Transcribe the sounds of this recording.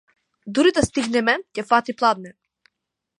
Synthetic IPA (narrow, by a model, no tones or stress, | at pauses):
d̪uɾid̪ast̪iɡnɛmɛcɛfat̪iplˠad̪nɛ